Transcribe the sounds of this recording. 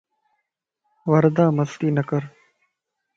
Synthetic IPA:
ʋəɾd̪ãːməst̪iːnəkəɾ

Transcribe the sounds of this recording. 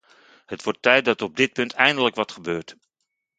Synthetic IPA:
hətʋɔɹtːɛjt̚dɑtɔb̚dɪt̚pɵntʰɛjndələkʋɑtχəbøːɹt

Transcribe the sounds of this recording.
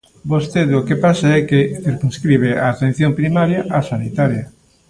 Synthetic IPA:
bost̪eðokepasaɛkeθiɾkunskɾiβ̞eaːt̪ẽn̟θjompɾimaɾjaʔasanit̪aɾjɐ

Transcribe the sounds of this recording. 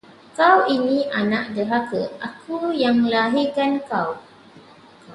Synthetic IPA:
kawinĩʔanaʔ̚dəɦakəʔakujaŋəlaɦikankaw

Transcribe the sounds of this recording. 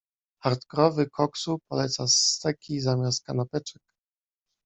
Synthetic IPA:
haɾt̪kɔɾɔvɘkʰɔksupɔlɛt̪sast̪ɛkʲʰizamʲjast̪̚kanapɛt͡ʂɛk

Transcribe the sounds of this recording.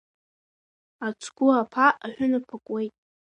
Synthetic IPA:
at͡sʷʰɡʷʊapʰaaħʷᶣʊnapʰakʷʼwejtʼ

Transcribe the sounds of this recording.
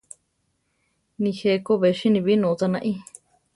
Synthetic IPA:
nĩhekoβeʃĩnĩβinũːt̪anãʔĩ

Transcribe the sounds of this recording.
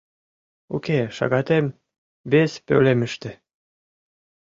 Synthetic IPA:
o̰keʃɑ̰ɣɑt̪em | βespø̰lemɘʃt̪ĕ

